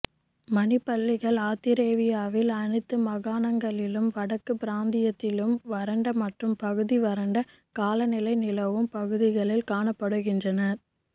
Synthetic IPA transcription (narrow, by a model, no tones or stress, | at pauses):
mɐnɪpːɐɭːɪɣɐɭaːt̪ːɪɾeːʋɪjaːʋɪlɐɳɯt̪ːɯmɐɣaːnɐŋɡɐɭɪlɯmʋɐɽɐkːɯpɪɾaːnd̪ɪjɐt̪ːɪlɯmʋɐɾɐɳɖɐmɐʈrɯmpɐɣɯðiʋɐɾɐɳɖɐ | kaːlɐnɪlɐɪnɪlɐʋɯmpɐɣɯðɪɣɐɭɪlkaːɳɐpːɐɽɯɣɪndrɐnɐɾ